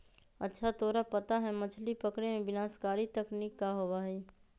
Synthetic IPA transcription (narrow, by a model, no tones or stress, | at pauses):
ətːʃʰat̪oːɾapət̪aɦɛmət͡ʃʰlipəkɽemẽbɪnaːskaːɾit̪ɐknikːaɦoʋaɦɛ